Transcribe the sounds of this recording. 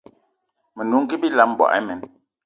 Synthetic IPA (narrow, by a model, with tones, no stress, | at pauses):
mə˨nu˨˦ŋ̩˦ɡi˦bi˦la˨˦m˨bwɔ̰˨ʔɛ̰˦mɛ˨n